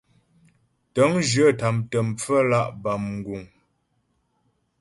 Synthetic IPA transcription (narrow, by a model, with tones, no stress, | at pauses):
tə˨˦ŋd͡ʒə˦˨ta˨mtə˨m̩p͡fə˦la˦˨ʔba˨mŋ̩˨ɡu˨ŋ